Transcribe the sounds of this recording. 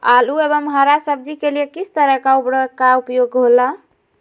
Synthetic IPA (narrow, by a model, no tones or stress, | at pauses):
aluebəmɦaɾasəb̚d͡ʒikelijekisʰt̪əɾəkaupɾəkaupjoɡɦola